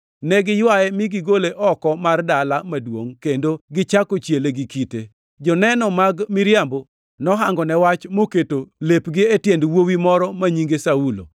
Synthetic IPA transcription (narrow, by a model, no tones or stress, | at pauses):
nɛɡɪjwajɛmɪɡɪɡoleʔɔkɔmardalamadwoŋkendoɡɪt͡ʃakot͡ʃjeleɡɪkite | d͡ʒɔnɛnɔmaɡmɪɾjambo | nɔɦaŋɡɔnɛwat͡ʃmoketolepɡɪetjendwowimɔɾɔmaɲiŋɡesaulo̰